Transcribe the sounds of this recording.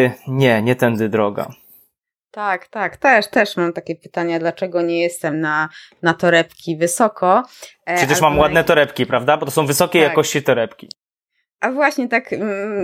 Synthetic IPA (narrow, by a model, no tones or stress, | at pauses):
ɲɛɲɛt̪ɛnd̪ɘd̪ɾɔɡa̰ | t̪akt̪akt̪ɛʂt̪ɛʂmamt̪akʲɛpɘ̥t̪aɲad̪lat͡ʂɛɡɔɲɛjɛst̪ɛmna | nat̪ɔɾɛpkʲivɘsɔkʰɔʂɛt͡ɕɛʂmamwad̪nɛt̪ɔɾɛpkʲipɾavd̪abɔt̪ɔs̬ɔ̃w̃vɘsɔkʲɛjakɔɕt͡ɕit̪ɔɾɛpkʲi | ʔavwaɕɲɛt̪ak